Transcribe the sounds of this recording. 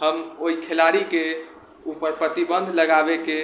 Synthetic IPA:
ɦəmoikʰelaɾike | upəɾpɾət̪ibə̃nd̪ʱləɡabeke

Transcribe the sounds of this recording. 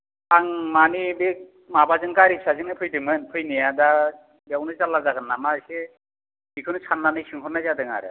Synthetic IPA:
aŋmanibek̚ | mabazɯŋkaɾisʰazɯŋɯpʰɯjdɯmɯnpʰɯjnijada | bɛwnɯzalːazaɡɯnːamase | ikʰɯnɯt͡ʃʰanːanɯjsɯŋkʰɔɾnajzadɯŋa̰ɾɯ̰

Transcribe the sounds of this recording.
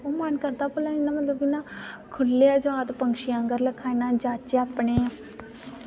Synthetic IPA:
oːmənkəɾd̪aːpəlãːɪnãːmət̪ləbɪnãːkʰʊlːeːəd͡ʒʋaːt̪pəŋkʃiãːŋɡəɾləkʰːaːinãːd͡ʒaːt͡ʃeaːpɳeː

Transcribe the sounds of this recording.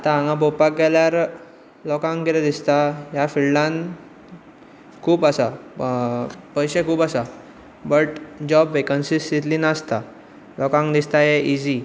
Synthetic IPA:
at̪ããŋɡãbopak̚ɡɛljaɾ | lɔkãŋɡkelad̪ist̪aɦjafilɖãn | kʰuːpəsa | pəjɕekʰuːpəsa | bəʈd͡ʑɔbʋekənsisit̪linaəst̪a | lɔkãŋɡd̪ist̪ajeʔid͡ʑi

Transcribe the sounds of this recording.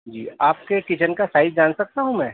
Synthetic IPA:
d͡ʒiːaːp̚kekɪt͡ʃənkasaːɪd̪̚d͡ʒaːnsɐk̚t̪aɦũmɛ̃ː

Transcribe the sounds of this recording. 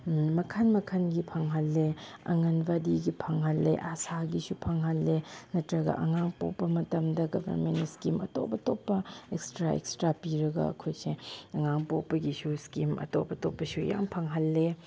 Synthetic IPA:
mɐkʰanmɐkʰɐnɡipʰɐŋɦɐlːeɐ̰ŋɐnbadiɡipʰɐŋɦɐlːḛʔasaɡisupʰaŋɦɐlːenɐtɾɐɡɐ̰ʔɐŋaŋpo̰pːɐmɐtɐmdɐɡɐbʱɐ̰ɾmentskimɐ̰to̰pɐtopːɐekstɾaḛkstɾapiɾɐɡɐ̰ɐ̰kʰojseɐŋaŋpopːɐɡisuskimɐ̰topɐtopːɐsuja̰mpʰɐŋɦɐlːe

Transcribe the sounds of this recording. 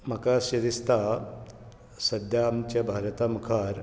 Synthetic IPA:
mɐkaːsjɐɾist̪a | sɐd̪jaːmt͡ɕɐbʱaːɾɐt̪amkʰaːɾ

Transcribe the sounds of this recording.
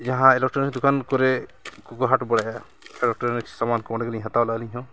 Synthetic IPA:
d͡ʒaɦãɛlɛk̚ʈɾɔnd̪ukʰankɔɾɛkuɡɔɦaʈbɔɽaja | ɛlɛk̚ʈɾɔniksamankɔɔnɛɡalĩɦãt̪awlaliɲɦɔ̃

